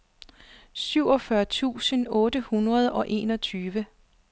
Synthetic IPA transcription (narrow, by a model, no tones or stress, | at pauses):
syʊ̰ɒ̽fɶɐt͡sʰṵːsənɔ̽ːd̥əhunʁɐð̞̩ˠɒ̽ʔe̝̰ːnɒ̽t͡sʰyːʋə